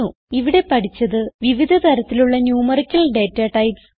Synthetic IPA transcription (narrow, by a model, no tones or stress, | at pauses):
u | iʋiɽe̞pɐʈʰit͡ɕːɐðɨʋiʋid̪ʱɐt̪ɐɾɐt̪ːiluɭːɐnjuːmɐrikʲːɐlɖeːtːaːʈːɐjds